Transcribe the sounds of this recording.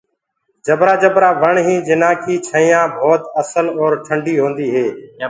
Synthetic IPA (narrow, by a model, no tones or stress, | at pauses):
d͡ʒəbɾaːd͡ʒəbɾaːʋəɳɦĩːd͡ʒɪnaːkʰiːt͡ʃʰəĩːjãːbʱɔːt̪əsəlɔːɾʈʰəɳɖiːɦõːnd̪iːɦeː